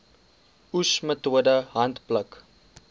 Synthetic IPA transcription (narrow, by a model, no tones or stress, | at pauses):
usmət̪uədəɦɐnt̪plək